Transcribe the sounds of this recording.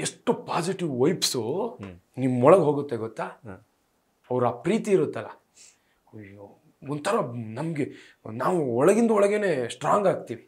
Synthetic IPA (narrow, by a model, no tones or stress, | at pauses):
eʂʈːupaːd͡ʒiʈiʋʋɐjpsu | nimːɔɭɐɡɦoːɡut̪ːeɡɔt̪ːaː | ɐʋɾaːpɾiːt̪iːɾut̪ːɐlːɐ | ɔnt̪ʰɐɾɐnɐmɡe | naːʋuɔɭɐɡind̪ɐɔɭɐɡeneːsʈɾaːŋɡaːɡ̚t̪iːʋi